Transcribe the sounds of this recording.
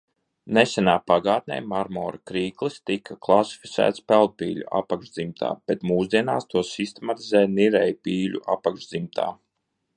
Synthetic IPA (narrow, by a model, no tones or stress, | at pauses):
nɛsʲɛnaːpaɡaːt̪̚nʲɛ̰jmaɾmɔ̰ːɾakɾiːklˠist̪ikʰaklˠasi̥fi̥t̪sæ̰ːt̪spɛlˠd̪̚piːlʲṵʔa̰pakʒd̪zimt̪ʰa̰ːb̥et̪muːzd̪iɛnaːst̪uɔsist̪emat̪izɛjniɾɛjpiːlʲṵʔapakʒd̪zimt̪ʰa̰ː